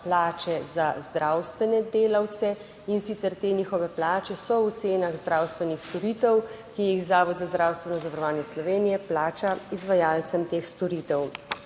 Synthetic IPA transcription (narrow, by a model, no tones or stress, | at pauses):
plaːt͡ʃɛzazd̪ɾawst̪ʋɛnɛd̪eːlawt̪sɛ | insit̪sɛɾt̪eːniːxɔʋɛplaːt͡ʃɛsɔwt̪seːnaɣzd̪ɾawst̪ʋɛnixst̪ɔɾiːt̪ɛw | kiixzaːʋɔd̪zazd̪ɾawst̪ʋɛnɔzaʋaɾɔʋaːnjɛslɔʋeːnijɛplaːt͡ʃaizʋajaːlt̪sɛmt̪eːxst̪ɔɾit̪ɛw